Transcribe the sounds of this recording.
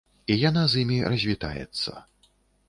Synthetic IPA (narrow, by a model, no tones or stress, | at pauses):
ijanazimʲirɐzʲvʲit̪a̰jɛ̰t̪sːɐ̰